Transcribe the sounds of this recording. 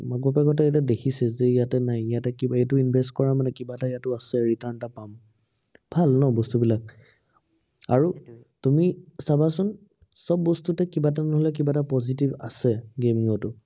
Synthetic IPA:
makbapaɡɔt̬ɛjtɛdekʰisɛzɛijatɛnajijatɛkibaejtʊinbʱestkɔɹamanɛkibataijatʊasɛɹitaɹntapam | bʱalnɔbɔstubilak̚ | a̰ɹu | tumisabasʊn | sɔbːɔstutɛkibatanɔɦɔlɛk̬ibatapɔzit̬iba̰sɛɡemiŋɔtʊ

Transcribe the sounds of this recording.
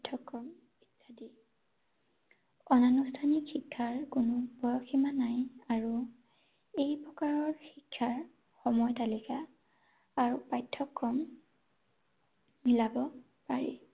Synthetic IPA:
tʰːɔkːɹɔm | itʰːadi | ɔnanustʰanikxikʰːaɹkunɔbɔjɔxʰimanajaɹu | ejpɹɔkaɹɔɹxikʰːaɹ | xɔmɔjtalikaː | ɹupajtʰːɔkːɔm | milabɔ | paɹḭ

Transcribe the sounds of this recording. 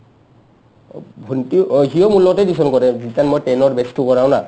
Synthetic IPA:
bʱɔntiɦiɔmulːɔɡɔtɛdisɔnkɔɾɛzitanmɔjtɛnɔɹbɛstukɔɹaʊ̃na

